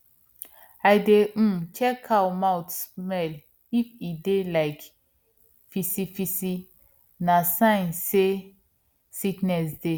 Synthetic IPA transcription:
ajdẽt͡ʃʰɛkʰawmawtsmɛl | ifidelaɪk | fisifisi | nasãjnse | siknɛsde

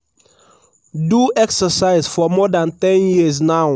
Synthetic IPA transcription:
duɛksəsaɪzfɔmɔdãntɛ̃njiznaʊ

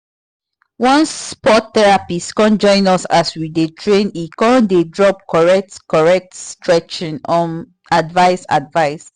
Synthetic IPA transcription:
wɔ̃nsːpɔttɛɹapiskɔ̃nd͡ʒɔ̃ɪ̃nɔsaswidetʰɹẽnikɔɔ̃ndedɹɔp̚kɔɹɛk̚tkɔɹɛk̚tstɹɛt͡ʃĩnɔ̃n | advaɪsa̰dvaɪs

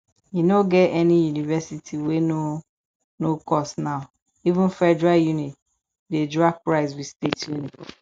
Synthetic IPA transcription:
jinoɡɛtɛnijunivɛsitʰiweno | nokɔsnaʊ | ivɪ̃nfɛdɹajunĩt | dedɹapɹaɪs̬wistetjunĩt

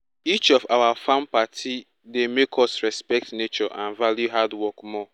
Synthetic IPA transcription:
it͡ʃɔvawafãmpatʰi | demekʰɔsɹɛspɛk̚tnet͡ʃɔʔãnvaljuɦadwɔkmɔ

